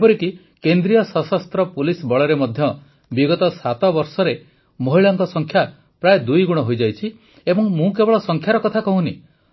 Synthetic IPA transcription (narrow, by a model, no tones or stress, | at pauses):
pɔɾiki | kend̪ɾijɔsɔsast̪ɾɔpulisbɔɭɔɾemɔd̪ʱjɔ | biɡɔt̪ɔsat̪ɔbɔɾsɔɾe | moɦiɭɔŋkɔsɔŋkʰja | pɾaed̪ujɡuɽ̃ɔɦojd͡ʒajt͡ʃʰi | ebɔŋmũkebɔɭɔsɔŋkʰjaɾɔkɔt̪ʰakɔɦũni